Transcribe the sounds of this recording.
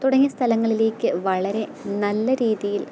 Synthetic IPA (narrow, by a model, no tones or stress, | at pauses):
t̪uɽɐŋːɐst̪ʰɐlɐŋːɐɭile̞ːkʲːɨʋɐɭɐɾe̞nɐlːɐɾiːðijil